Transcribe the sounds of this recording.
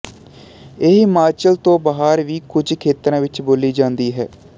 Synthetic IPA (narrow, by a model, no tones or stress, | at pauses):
eɦmaːɾt͡ʃəlt̪õːbaːɦaːɾʋiːkʊd͡ʒkʰeːt̪ɾãːʋɪt͡ʃboːliːd͡ʒãːnd̪iːɦɛ̰ː